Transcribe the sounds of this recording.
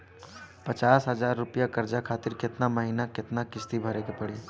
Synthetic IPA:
pət͡ʃaːsɦəzaːɾːʊpjakəɾd͡ʒakʰaːt̪ɪɾkɪt̪naməɦinakɪt̪nakɪst̪ibʱɐɾekepɐɽi

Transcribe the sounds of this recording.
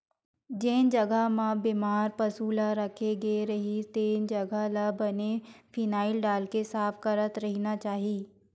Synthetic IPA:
d͡ʒeːnd͡ʒɐɡamãbɪmaːɾpɐsuːlaɾɐkʰeɡeɾɐɦit̪eːnd͡ʒɐɡalabɐnefʰiːnaːɪlɖaːlkesaːfkɐɾət̪ɾɐɦinat͡ʃaːɦiː

